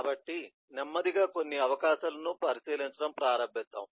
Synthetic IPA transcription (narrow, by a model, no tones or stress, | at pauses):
aːbɐʈːi | nemːɐd̪iɡaːko̞nːiɐʋɐkaːʃɐlɐnupɐɾisiːliɲt͡ʃɐɽɐmpɾaːɾɐmbʱist̪ːa̰ːmu